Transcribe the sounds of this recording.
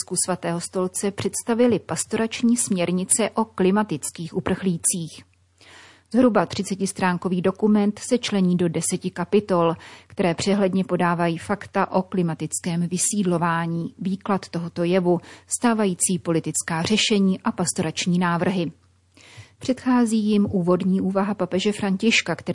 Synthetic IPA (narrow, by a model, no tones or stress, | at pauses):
skusvat̪ɛːɦost̪o̞lt͡sɛpr̝̥ɛt̪st̪avɪlɪpast̪o̞ɾat͡ʃɲiːsmɲɛɾɲɪt͡sɛʔo̞klɪmat̪ɪt͡skiːxʔupr̩xliːt͡siːx | zɦɾubat̪r̝̥ɪt͡sɛcɪst̪ɾaːŋko̞viːdo̞kumɛnt̪sɛt͡ʃlɛɲiːdo̞dɛsɛcɪkapɪt̪o̞lkt̪ɛɾɛːpr̝̥ɛɦlɛdɲɛpo̞daːvajiːfakt̪aʔo̞klɪmat̪ɪt͡skɛːmvɪsiːdlo̞vaːɲiːviːklat̪t̪ːo̞ɦo̞t̪o̞jɛvust̪aːvajiːt͡siːpo̞lɪt̪ɪt͡skaːr̝ɛʃɛɲiːʔapast̪o̞ɾat͡ʃɲiːnaːvr̩ɦɪ | pr̝̥ɛt̪xaːziːjɪmʔuːvo̞dɲiːʔuːvaɦapapɛʒɛfɾaɲcɪʃkakt̪ɛ